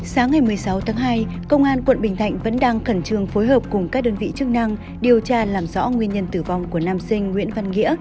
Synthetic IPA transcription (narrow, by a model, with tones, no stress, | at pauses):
saː˨˦ŋːa˨˩jmɨ˨˩əjsa˨˦wt̪ʰaː˨˦ŋɦaː˧jkə˧wŋ͡mʔaː˧nkwə̰˧˨nɓï˨˩ŋ̟t̪ʰa̰˧˨jŋ̟və̰˧˥nɗaː˧ŋxə˧˩nt͡ɕɨ˧˩əŋfo˨˦jɦəː˨˩p̚kʊ˨˩ŋ͡mkaː˦˥k̚ɗəː˧nvḭ˧˨t͡ɕɨ˦˥k̚na˧ŋ | ɗi˨˩əwt͡ɕaː˧laː˨˩mzɔ̰˧˥ŋwi˧ənɲə˧nt̪ɨ˧˩va˨˩wŋ͡mku˧˩ənaː˧msï˧ŋ̟ŋwḭ˧˥ənva˧nŋḭ˧˥ə